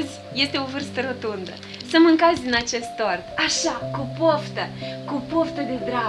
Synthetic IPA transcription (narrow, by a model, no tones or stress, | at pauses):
zʲ | je̞st̪e̞o̞vɨrst̪əɾo̞t̪und̪ə̰ | səmɨŋkat̪sʲd̪inat͡ʃe̞st̪ːo̞rt̪aʃakupoft̪əkupo̞ft̪əd̪e̞d̪ɾa